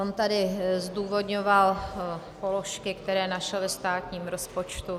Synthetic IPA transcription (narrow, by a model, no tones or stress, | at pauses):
ont̪adɪzduːvo̞d̪ɲoval | polo̞ʃkɪkt̪ɛɾɛːnaʃɛlɛst̪aːt̪ɲiːmɾo̞spo̞t͡ʃt̪u